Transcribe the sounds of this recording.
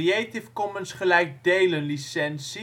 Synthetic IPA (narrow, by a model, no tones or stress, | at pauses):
iejtɪfkɔmənsχəlɛjk̚dejlənlisɛnsi